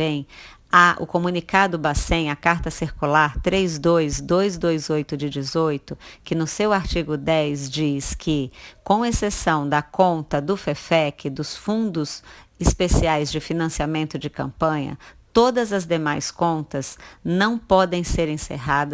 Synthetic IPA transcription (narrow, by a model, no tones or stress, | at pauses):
ẽj̃ | aʔʊ̰komũnikad̪ʊbasẽj̃ɐkaɾt̪ɐsiɾkulaɾt̪ɾezd̪ojzd̪ojzd̪ojzojt̪ʊd͡ʒɪd͡ʒɪzojt̪ʊkɪnʊsewaɾt͡ʃiɡʊd̪ɛzd͡ʒiskʰɪkõw̃esesɐ̃w̃d̪ɐkõnt̪ɐd̪ʊfefɛkɪd̪ʊsfũnd̪ʊsɪspesiajzd͡ʒɪfinɐ̃siamẽnt̪ʊd͡ʒɪkɐ̃mpɐ̃ɲɐ̰t̪od̪ɐzɐzd̪emajskõnt̪ɐznɐ̃w̃pɔd̪ẽj̃seɾẽseɦad̪ɐ